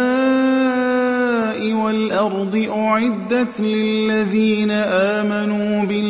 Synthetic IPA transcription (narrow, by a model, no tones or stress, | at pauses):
a | ʔɪwalʔɑɾˤd̪ˤɨʔʊʕɪd̪ːalɪlːaðiːnaʔaːmanuːbɪ